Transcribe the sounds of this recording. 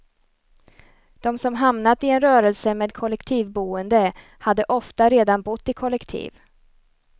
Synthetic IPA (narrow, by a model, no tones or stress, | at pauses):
d̪̥ɔmsɔmɦamnat̪ɪɛnɾœːɾɛlsəmeːd̪̚kʰɔlɛkt̪ʰiːvbuːənd̪ə | had̪ːəʔɔft̪aɾeːd̪anbʊt̪ːɪkʰɔlːɛkt̪ʰḭːv